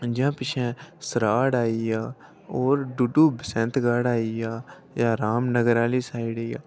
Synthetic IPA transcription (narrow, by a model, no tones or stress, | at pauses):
d͡ʒãːpɪt͡ʃʰɛ̃səɾaːɽaːijaː | oːɾɖuɖuːbɪsɛ̃nt̪ɡaːɽaːijaː | jaːɾaːmnəɡəɾaːliːsaːiɽeːja̰ː